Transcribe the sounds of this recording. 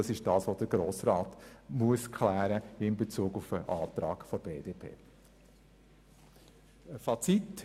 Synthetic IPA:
ɑsɪʃd̥ɑːsʋodəɡɾoːsɾɑːtmuəskʰlæːɾəɪmbet͡suːɡufəʔɑːt̪ɾɑ̰ːɡfɔɾbeːd̥epʰḛː | fɑt͡sit

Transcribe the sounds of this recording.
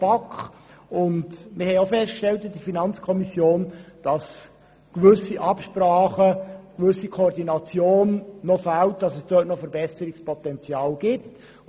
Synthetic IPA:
pɑkχ | ʊndmɪɾhɛɪoʊfɛstkʃtɛltɪd̥ifinɑnt͡skʰɔmisjoːnd̥ɑs | kʋʏsiʔɑpʃpɾɑːχəkʋʏsikʰoɔɾdinɑt͡sjoːnːɔfalt̚d̥ɑsɛsd̥œːtnɔfɛɾbɛsəɾɪkspʰɔtɛnt͡sjɑːlɡ̥ɪt

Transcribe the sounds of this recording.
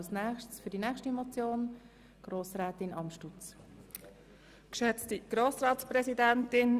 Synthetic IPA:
lsnæːχtsfʏɾdinɛːχʃtimot͡sjoːn | ɡ̥roːsɾɛːtɪnʔɑmʃtut͡s | kʃœt͡stiɡ̥ɾoːsɾɑːtsprɛsidɛntɪn

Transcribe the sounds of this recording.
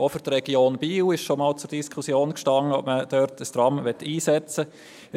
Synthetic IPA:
ofyɾtɾɛɡ̥joːnbiːwɪʃʃomɑːlt͡sʊɾd̥iskʰusjoːnkʃtɑŋːəɔpməd̥œɾtʰəst̪ɾɑmʋɛtːiːsɛt͡sə

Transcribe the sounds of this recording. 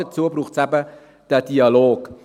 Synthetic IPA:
ət͡suəbɾuːχtsɛbə | d̥ɛdiɑloːk

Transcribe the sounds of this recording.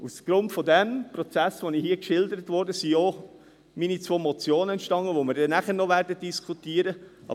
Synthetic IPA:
usɡ̥ɾʊntfɔdɛmpɾɔt͡sæsʋonihiːəkʃɪldəɾətvɔɾdəsio | minit͡sʋoːmɔt͡sjoːnəɛntʃtɑŋəʋomɪɾdɛnæχəɾnɔʋæɾdət̚d̥iskʰutiəɾəɑ̰

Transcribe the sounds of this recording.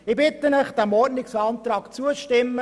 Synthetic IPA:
ɪbɪt̪ːənəχd̪̥æmɔrnɪksɑnt̪ɾɑːkt͡suəʃtɪmːə

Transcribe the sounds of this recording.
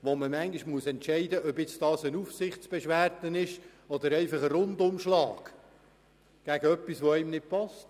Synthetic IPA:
ʋoməmæŋɡiʃmuəsɛntʃɛɪdəʔœbjɪt͡sdɑːsənufsɪχtt͡sb̥ɛʃʋæːrtənɪʃɔd̪əɾɛɪfɑχəɾʊndʊmʃlɑːɡ | ɡ̥æɡ̥əœpːisʋoɛɪmnɪt̚pɑst

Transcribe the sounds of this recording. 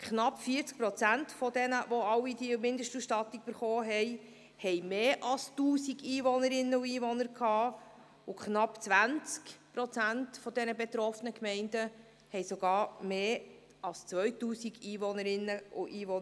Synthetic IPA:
kχnɑpːfiəɾt͡sk̚pɾɔt͡sæntfɔdɛnəvɔɑwidimɪndəʃtusʃtɑt̪ik̚b̥əɾχɔːɦɛɪ | hɛɪmeːʔɑlstuːsiɡiːʋɔnəɾɪnːəʊiːʋɔnəɾkʰɑː | ʊkχnɑpt͡sʋænt͡skpɾɔt͡sæntfɔd̪ɛnəbɛt̪ɾɔfənəkmɛɪndə | hɛɪsɔɡɑːɾmeː | ɑlst͡sʋœʏtuːsiɡiːvɔnəɾɪnːəʊʔiːʋɔn

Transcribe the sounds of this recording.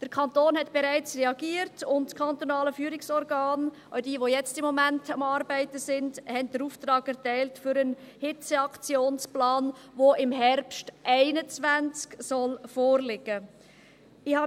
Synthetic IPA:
d̥əɾkʰɑntoːnɦɛtb̥ɛɾæɪt͡srɛɑɡ̥iːəɾtʊntskʰɑntonɑːləfyːɾɪksɔɾɡɑːn | awdiːʋojɛt͡stɪmːɔmæntɑmɑːɾbæɪtəsɪndhɛntdəɾuːft̪ɾɑːɡɛɾtæɪltfʏɾənhɪt͡səɑkt͡sjoːnsplɑːnʋoɪmɦɛɾpʃtʔæɪnət͡svænt͡sksɔlfoːrlɪɡə | ɪhɑ

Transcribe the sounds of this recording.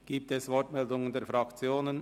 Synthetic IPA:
ɡ̥iːp̚tɛsvɔɹtmɛldʊŋəndeːfɾɑkt͡sjoːnən

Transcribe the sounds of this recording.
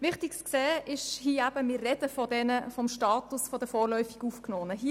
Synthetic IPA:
ʋɪχtikskseːʔɪʃhiːæb̥əmɪːrːɛdəfɔdɛnəfɔmʃtɑːtusfɔd̥əfɔːrlœʏfiɡuːfknoːnəɦi

